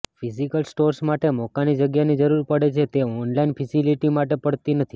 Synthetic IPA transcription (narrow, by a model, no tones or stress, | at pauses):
fʰisikəlsʈoɾsmaʈemɔkanid͡ʒəɡjanid͡ʒəɾuɾpəɽet͡ʃʰet̪eɔnlainfɛsiliʈimaʈepəɽt̪inət̪ʰi